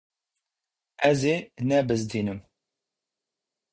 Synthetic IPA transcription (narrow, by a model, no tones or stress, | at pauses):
ɛzeːnɛbɨzd̪iːnɨm